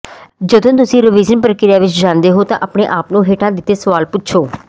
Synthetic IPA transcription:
d͡ʒəd̪õːt̪ʊsĩːɾəʋiːd͡ʒənpəɾəkɪɾɪjaːʋɪt͡ʃd͡ʒãːnd̪eːɦoːt̪ã̰ːʔəpɳeːʔaːpnũːɦeːʈãːd̪ɪt̪ːeːsəʋaːlpʊtːʃʰoː

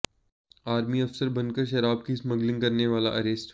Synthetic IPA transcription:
aːɾmiɐfsəɾbɐ̃nkəɾʃ̬ɐɾaːb̚kismɐɡlɪ̃ŋɡkɐɾneʋaːla̰ʔɐɾeːsʈ

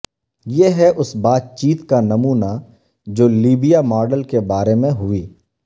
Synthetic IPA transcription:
jeɦɛʔʊsbaːt̪̚t͡ʃiːt̪kanɐmuːna | d͡ʒoːliːbijamɔːɾɖəlkebaːɾemẽɦʊiː

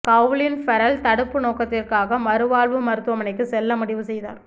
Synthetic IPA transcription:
kɐʋlɪnfɐɾɐlt̪ɐɽɯpːɯnoːkɐt̪ːɪrkaːɣɐmɐɾɯʋaːlʋɯmɐɾɯt̪ːɯʋɐmɐnɐɪk̬ːɯsɛlːɐmʊɽɪʋɯsɛjða̰ːɾ

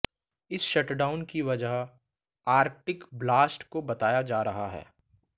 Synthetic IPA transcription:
ɪsʃɐʈɖaːʊnkiʋɐd͡ʒəɦ | aːɾ̚ʈɪkblaːsʈkobɐt̪aːjad͡ʒaːɾɐɦaɦɛ̰ː

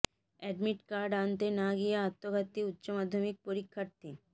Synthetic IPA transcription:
ɛɖmiʈkaɾɖant̪enaɡijeat̪ːoɡʱat̪ːiut̪ːɕomad̪ʱːomik̚poɾikʰːaɾt̪i

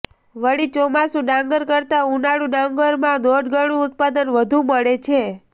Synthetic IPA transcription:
ʋəɽit͡ʃɔmasũɖãŋɡəɾkəɾt̪aunaɽũɖãŋɡəɾmãnoɖɡəɽ̃ũʊt̪̚pad̪ənʋəd̪ʱũməɭet͡ʃʰe

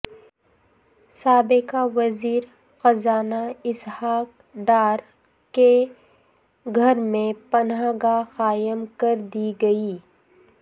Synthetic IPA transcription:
saːbɪkaʋɐziːɾ | xɐzaːnaɪshaːk | ɖaːɾ | ke | ɡʱɐɾmẽpɐnɦaːɡaxaːjəmkɐɾd̪iɡɐiː

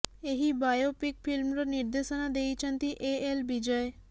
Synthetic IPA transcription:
eɦibajopɪkfʰɪlmɾanɪɾd̪eʃanad̪eit͡ʃʰə̃nt̪iʔeelbid͡ʒəj

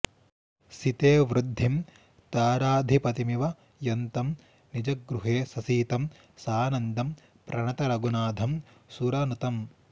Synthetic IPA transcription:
sit̪eːʋɾud̪ʱːim | t̪aːɾaːd̪ʱipɐt̪imiʋɐ | jɐnt̪ɐm | nid͡ʒɐɡɾuɦeːsɐsiːt̪ɐm | saːnɐnd̪ɐm | pɾɐɳɐt̪ɐɾɐɡunaːd̪ʱɐm | suɾɐnut̪ɐm

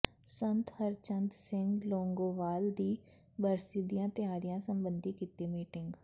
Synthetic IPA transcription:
sənt̪həɾt͡ʃənd̪sɪ̃ŋɡloːŋɡoːʋaːld̪iː | bəɾsiːd̪ijãːt̪ɪjaːɾijãːsəmbənd̪iːkit̪ːeːmiːʈɪŋɡ

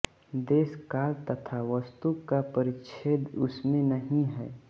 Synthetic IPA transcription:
d̪eːskaːlt̪ɐt̪ʰaʋəst̪ukːapəɾɪt͡ʃʰeːd̪ʊsmẽnəɦĩɦɛ̰ː

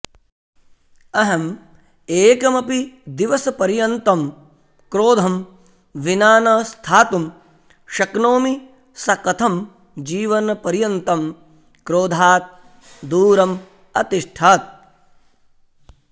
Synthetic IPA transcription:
ɐɦɐm | eːkɐmɐpid̪iʋɐsɐpɐɾjɐnt̪ɐm | kɾoːd̪ʱɐm | ʋinaːnɐːst̪ʰaːt̪um | ʃɐknoːmi | sɐkɐt̪ʰɐm | d͡ʒiːʋɐnɐpɐɾjɐnt̪ɐm | kɾoːd̪ʱaːt̪̚ | d̪uːɾɐm | ɐt̪iʂʃʈʰaːt̪̚

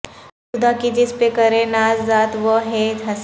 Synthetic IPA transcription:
sʊd̪akid͡ʒɪspekɐɾẽnaːzːaːt̪ʋəɦed͡ʒɦɐs

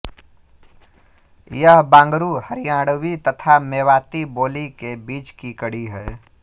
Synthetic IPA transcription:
jəɦbãːŋɡɾuhəɾijãːɽwit̪ət̪ʰameːwaːt̪iboːlikebiːt͡ʃkikəɽiɦɛː

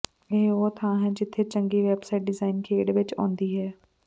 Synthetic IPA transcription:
eɦoːt̪ʰãːɦɛ̃d͡ʒɪt̪ʰet͡ɕə̃ŋɡiʋeːbsaːɪʈ̚ɖɪzaːɪnkʰeːɽʋɪt͡ʃõ̰ːnd̪iːɦɛː

